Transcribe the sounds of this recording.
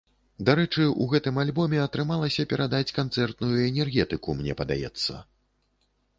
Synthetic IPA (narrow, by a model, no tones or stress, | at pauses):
d̪aɾɛt͡ʂɨṵɣɛt̪ɨmalʲbɔmʲɛɐt̪ɾɨmalˠɐsʲɐpʲɛɾad̪at͡sʲkant̪sɛrt̪nujuɛnʲɛrɣʲɛt̪ɨkumnʲɛ̰pɐd̪a̰jɛ̰t̪sːɐ̰